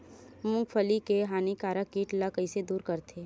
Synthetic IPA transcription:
mʊ̃ŋɡpʰəlikeɦaːnikaːɾəkːiːʈlakəised̪uːɾkəɾt̪ʰeː

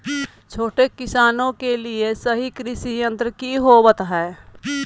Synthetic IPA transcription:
t͡ʃʰoːʈekɪsaːnõkeliesɐɦikɾɪsijə̃nt̪ɾəkiɦowət̪ɦɛː

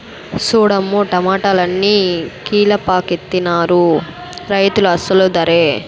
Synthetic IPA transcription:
suːɽɐmːuʈɐmaːʈɐlɐnːiːkiːlɐpaːket̪ːinaːɾu | ɾɐjt̪uluɐsɐlud̪ɐɾeː

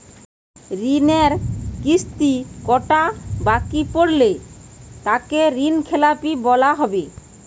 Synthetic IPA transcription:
ɾineɾkist̪ikɔʈabakipoɾle | t̪akeɾinkʰelapibɔlaɦɔbe

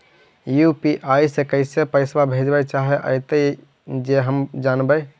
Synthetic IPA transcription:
jupiʔajsekəɪsepəɪsbabʱed͡ʒbɛt͡ʃaɦɛʔə̰ɪt̪ə | d͡ʒeɦəmd͡ʒanbə

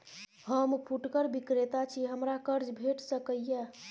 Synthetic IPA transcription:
həmpʰuʈkəɾbikɾet̪at͡ʃʰiɦəmɾakəɾd͡ʒbʱeʈsəkəjːe

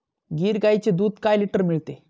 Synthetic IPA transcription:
ɡiːɾɡajt͡ɕed̪uːd̪kajliʈəɾmiɭt̪e

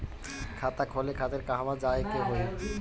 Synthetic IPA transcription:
kʰat̪akʰɔlekʰat̪eɾkaɦamad͡ʑaekeɦoe

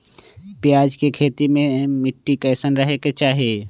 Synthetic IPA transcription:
pɪjaːd͡ʒkekʰeːt̪imẽmɪʈːikəsənɾəɦeket͡ʃaːɦie

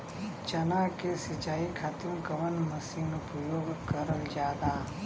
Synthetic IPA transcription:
t͡ʃɐnakesɐt͡ʃaːikʰaːt̪imkɐʋənmɐsinupɾəjoːɡkɐɾəld͡ʒjaːd̪aː

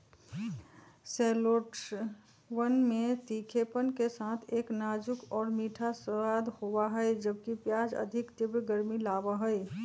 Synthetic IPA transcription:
sɛːloʈ | wənmẽt̪iːkʰepənkesaːt̪ʰeːknaːd͡ʒʊkɔːɾmiːʈʰasəaːd̪howaɦəed͡ʒəb̚kipjaːd͡ʒə̰d̪ʱɪkt̪ɪbɾɡəɾmilaːʋəɦəɛ

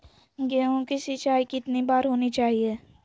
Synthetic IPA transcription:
ɡɛːõkisit͡ʃaːikit̪nibaːɾɦoːnit͡ʃaːɦieː

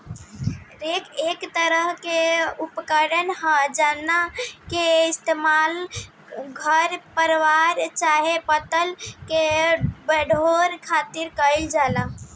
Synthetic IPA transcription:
ɾekekt̪əɾəɦkeupkəɽənhə̃d͡ʒanakeɪst̪emal | ɡʱəɾpəɾʋaɾt͡ʃaɦepət̪əlkebəɖʱoɾkʰat̪iɾkəɪld͡ʒala

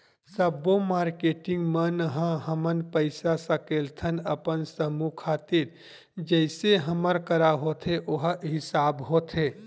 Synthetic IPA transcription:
səbːomaːɾkeːʈɪ̃ŋɡmənɦãɦəmənpəɪsasəkeːlt̪ʰənəpənsəmukʰaːt̪iɾ | d͡ʒəɪseɦəməɾkəɾaɦoːt̪ʰeʔoɦɦɪsaːbɦoːt̪ʰeː

